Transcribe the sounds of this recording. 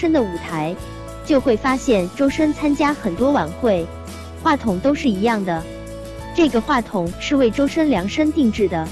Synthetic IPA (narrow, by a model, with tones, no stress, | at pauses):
ə˥ŋd̪ə˨u˨˩t̪ʰa˧˥ɪ | t͡ɕjo˥˧ʊxwe˥˩ɪfa˥ɕjɛ˥˩nʈ͡ʂo˥ʊʂə˥nt͡sʰa˥nt͡ɕja˥xə˨˩nt̪wɔ˥wa˨˩nxwe˥˩ɪ | xwa˥˩t̪ʰʊ˨˩ŋt̪o˥ʊʂɻ̩˥˩i˧˥jɑ˥˩ŋd̪ə˩ | ʈ͡ʂɤ˥˩ɡə˩xwa˥˩t̪ʰʊ˨˩˦ŋʂɻ̩˥˧we˥˩ɪʈ͡ʂo˥ʊʂə˥nljɑ˧˥ŋʂə˥ŋt̪i˥˧ŋʈ͡ʂɻ̩˥˩d̪ə˩